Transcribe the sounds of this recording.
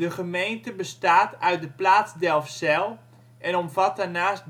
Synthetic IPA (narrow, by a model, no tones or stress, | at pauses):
dəχəmejntəbəstaːtœɥt̚dəplaːsdɛlˠfsɛlˠ | ʔɛnɔmvat̚darnaːst̚